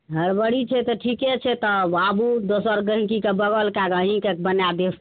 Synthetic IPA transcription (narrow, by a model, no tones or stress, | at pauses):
ɦəɾbəɽit͡ʃʰɛt̪ɔʈʰiket͡ʃʰɛt̪ɔbabud̪osəɾɡəɦĩkikebəɡəlkakəɦĩkek̚bənjad̪es